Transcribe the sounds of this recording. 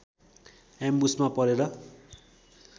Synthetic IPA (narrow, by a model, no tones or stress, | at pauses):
ambusmapʌɾeɾʌ